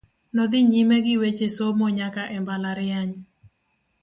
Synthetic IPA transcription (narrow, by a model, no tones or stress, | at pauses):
nɔd̪ɪɲimeɡɪwet͡ʃesomɔɲakaʔɛmbalaɾɪaɲ